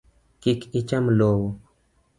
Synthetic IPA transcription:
kikit͡ʃamloːwo

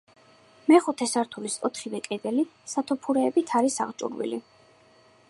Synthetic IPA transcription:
mɛχut̪ʰɛsaɾt̪ʰulisɔt̪ʰχivɛkʼɛd̪ɛlisat̪ʰupʰuɾɛːbit̪ʰaɾisa̰ʁt͡ʃʼṵɾwḭlḭ

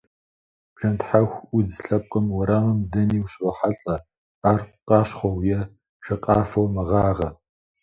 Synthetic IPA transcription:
ʒɐntħaxʷʊzɬɐp̚qʷʼɐmwɔɾaːmɨmdɐniːwɕʼrɐħaɬʼɐ | aːrqɑːɕχʷɔwjɛ | ʃɐqʼɑːfɐwmɐʁɑːʁɐ

